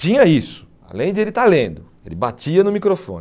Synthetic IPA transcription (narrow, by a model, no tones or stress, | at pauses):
ĩɲɐisʊ̥ | a̰lẽj̃d͡ʒɪelɪt̪aɾlẽnd̪ʊ | ḛlɪbat͡ʃiɐnʊmikɾofõ̰n